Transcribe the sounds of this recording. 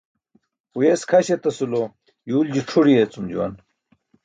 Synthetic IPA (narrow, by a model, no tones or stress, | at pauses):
ujeskʰɐɕet̪ɐsulo | juːld͡ʑiʈ͡ʂʰuɽiet͡sumd͡ʑuwɐ̰n